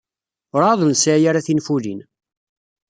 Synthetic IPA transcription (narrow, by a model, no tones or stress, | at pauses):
ʊɾaðˤənsjaɾaθinfulḭn